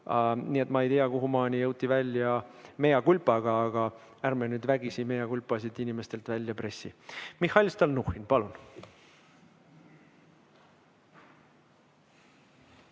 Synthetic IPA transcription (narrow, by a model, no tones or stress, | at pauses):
ɑniːe̞t̪ːmɑejt̪iɑkuɦumɑːnʲijɤwt̪ːˑivælʲːjɑmejɑkylpˑɑɡ̥ɑːɡ̥ɑ | æɾmenyːd̪væɡisime̞jɑkulʲpˑːɑsid̪inime̞st̪e̞lt̪vælʲːjɑpre̞sːimihɑlʲst̪ɑlnuhinpɑlun